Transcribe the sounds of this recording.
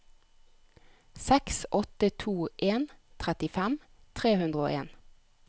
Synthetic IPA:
sɛksʔɔt̪ət̪ʰuːʔeːnt̪ʰʁɛt̪ɪfæm | t̪ʰʁeːhʉnd̪ʁəo̰ːʔḛːn

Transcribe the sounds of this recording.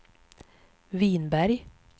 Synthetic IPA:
viːnbæɾj

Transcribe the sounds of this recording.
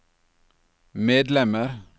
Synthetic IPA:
meːd̪lɛməɾ

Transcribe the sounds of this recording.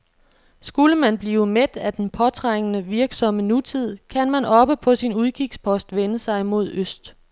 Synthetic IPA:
sɡ̥uləmænb̥liːʊmed̥æd̥enpʰɒ̽t͡sʰʁaŋ̰ənəʋiɐɡ̥sɒ̽mənut͡sʰið̞̰ˠkʰænmænɒ̽b̥əpʰɒ̽sinuð̞ˠkʰiɡ̥spʰɒ̽sd̥ʋenəsɑ̈ɪmo̝ð̞̰ˠøsd̥

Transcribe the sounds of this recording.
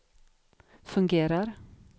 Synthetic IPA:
fɵŋɡeːɾaɾ

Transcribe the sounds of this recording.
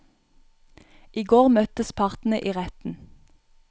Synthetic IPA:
ʔiːɡoːʁmœt̪əspʰɑʁt̪n̩əʔiːʁɛt̪n̩

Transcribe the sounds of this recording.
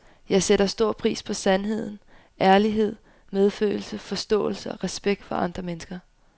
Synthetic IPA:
jɑ̈ɪseɾɐsd̥o̝ɐ̰pʰʁḭːspʰɒ̽sænɦe̝ð̞̰ˠn̩ | ʔæɐliɦe̝ð̞̰ˠ | með̞ˠfø̰ːɪl̩səfɒ̽sd̥ɔ̰̽ːl̩səɒ̽ʁɛsb̥eɡ̥̚d̥fɒʔɑ̈nd̥ʁɐmenəsɡ̥ɐ

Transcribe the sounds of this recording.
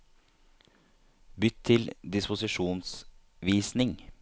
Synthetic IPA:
bʏt̪ʰːɪld̪ɪspʊsɪʂuːns | ʋiːsnɪŋ

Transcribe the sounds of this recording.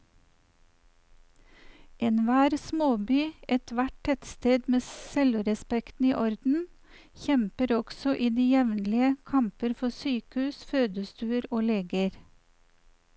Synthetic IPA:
ʔeːnʋæːɾsmoːbyːɛt̪ʋæʈ̚tʰɛt̪st̪eːd̪meːsɛlʊɾɛspɛkt̪n̩iːʔɔɾd̪n̩ | çɛmpəɾɔɡ̥sɔʔiːd̪iːjɛʋnlɪəkʰɑmpəɾfɔsyːkəʉːsføːd̪əst̪ʉːəɾoːleːɡəɾ

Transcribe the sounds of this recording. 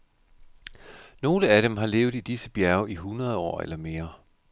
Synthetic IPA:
no̝ːləæɾ̥emɦɑ̈le̝ːʊid̥isəb̥jæɐʊiɦunʁɐð̞ˠɒ̰ːḛlɐme̝ːɐ

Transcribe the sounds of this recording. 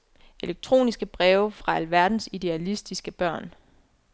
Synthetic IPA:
ʔe̝leɡ̥̚t͡sʰʁo̝̰ːnisɡ̥əb̥ʁɛːʊfʁɑ̈ælʋæɐd̥n̩sid̥e̝ælisd̥isɡ̥əb̥ɶɐ̰n

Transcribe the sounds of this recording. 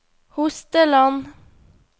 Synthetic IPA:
hʊst̪əlɑn

